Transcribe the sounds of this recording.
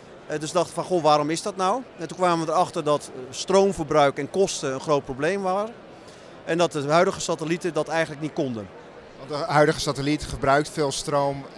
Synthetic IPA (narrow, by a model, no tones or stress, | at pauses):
døsdɑxtə̥fɔnxoːʋaːɾɔmɪsdɔtnawɛntunkʋaːməʋədərɑxtərdɔtstrowmfərbrœɥkɛnkɔstəənxroːt̚probleːmʋaːrə | ɛndɔt̚dəɦœɥdəɣəsatəlitədɔtɛjɣən̩tləknit̚kondə | ʋɑntdəɦœɥdəɣəsatəlitχəbrœɥk̚tfɪːlˠstrowm